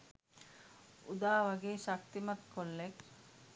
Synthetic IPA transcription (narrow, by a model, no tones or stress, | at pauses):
ud̪aːʋaɡeːʃakt̪imat̪kʰolːek